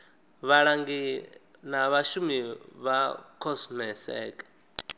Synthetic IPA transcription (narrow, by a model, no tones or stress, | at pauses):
βaɺaŋɡi | naβaʃumiβakʰɔsmɛθɛ̰ːkʼḁ